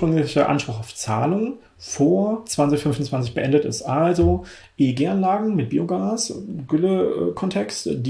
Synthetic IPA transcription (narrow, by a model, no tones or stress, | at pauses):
ʁ̥ʏŋlɪçəʔa̰nʃpʁ̥ʊxaʊft͡sa̰ːlʊŋ | foːɐt͡sv̥ant͡sɪçfʏnfʊn̩t͡sv̥ant͡sɪçb̥əʔɛndətɪ̰stʔalzo | ʔeɡeːanlaːɡŋ̩mɪt̚b̥iːoɡaːsɡ̥ʏləkʰɔntʰɛksdi